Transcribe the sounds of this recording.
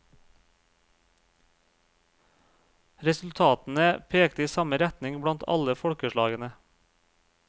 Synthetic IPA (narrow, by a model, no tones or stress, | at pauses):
ɾɛsʉl̩t̪ʰɑːt̪n̩əpʰeːkt̪əiːsɑməɾɛt̪nɪŋbɽɑnt̪ʰɑ̰ləfɔɽkəʃɭɑ̰ːɡənə